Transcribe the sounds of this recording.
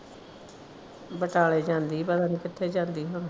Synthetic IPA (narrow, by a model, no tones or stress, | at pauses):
bəʈaːleːd͡ʒãːnd̪iːbəd̪ãːniːkɪʈʰːeːd͡ʒãːnd̪iːɦon